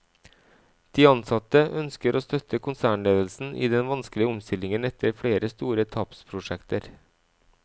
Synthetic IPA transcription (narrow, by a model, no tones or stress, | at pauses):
d̪̥iːɑnsɑt̪əʔœnskəɾʔoːst̪œt̪ʰːəkʊnsæːɳleːd̪əlsn̩ʔɪ̰d̪ɛnʋɑnsklɪəɔmst̪ɪlɪŋənɛt̪ʰːəɾfleːɾəst̪uːɾət̪ʰɑpspʰɾʊʂɛkt̪əɾ